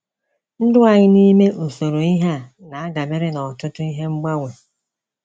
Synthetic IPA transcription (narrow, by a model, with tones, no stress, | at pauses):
n̩˦dʊ˦a˨ɲɪ˦ni˦me˦n̩˨so˨ɾo˨i˦ɦa˦na˨a˦ɡa˨me˦ɾɪ˦nɔ˨tʊ˦tʊ˦i˦ɦe˦ŋ͡m̩˦ɡ͡ba˦we˨